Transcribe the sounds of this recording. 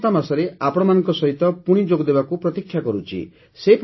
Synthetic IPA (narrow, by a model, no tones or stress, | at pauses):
t̪amasɔɾeapɔɽ̃ɔmanɔŋkɔsɔɦit̪ɔpuɽ̃id͡ʒoɡd̪ebakupɾɔt̪ikʰːjakɔɾut͡ʃʰḭ | sep